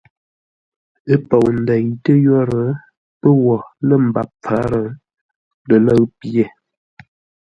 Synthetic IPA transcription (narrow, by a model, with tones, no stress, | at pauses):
ə˦pə˨wn̩˨də˨ɲtə˦jɔ˦ɾə˨ | pə˦wɔ˨lə˦˨m̩˨ba˨p̚p͡fa˨˦ɾə˨ | lə˨lə˦ɰpje˨